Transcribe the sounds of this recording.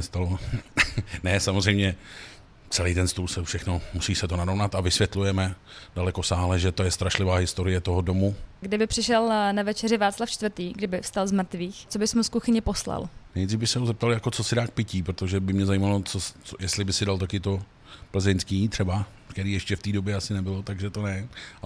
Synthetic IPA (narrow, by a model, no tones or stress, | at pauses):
ɛst̪alo | nɛsamozr̝ɛjmɲɛ | t͡sɛlijt̪ɛnst̪uːlsɛfʃɛxno̞musiːsɛt̪onaɾo̞vnat̪avɪsvjɛt̪lujɛmɛ | d̥alɛkosaːɦlɛʒɛt̪o̞jɛst̪ɾaʃlɪvaːɦɪst̪o̞ɾɪjɛt̪oɦodo̞muɡdɪbɪpr̥ɪʃɛlnavɛt͡ʃɛrɪvaːt͡slaft͡ʃt̪vrt̪iːɡdɪbɪfst̪alzmr̩t̪viːxt͡sobɪsmuskuxɪɲɛposla̰lnɛjd̪riːvbɪxsɛɦozɛp̚t̪aljako̞t͡so̞sɪdaːk̚pɪciːpɾot̪oʒɛbɪmɲɛzajimalot͡soojɛst̪lɪbɪsɪdalt̪̬akɪt̪o̞ | pl̩zɛɲskiːt̪r̝̥ɛba | kk̪ɛɾiːjɛʃcɛft̪iːdo̞bjɛasɪnɛbɪlot̪aɡʒɛt̪o̞nɛa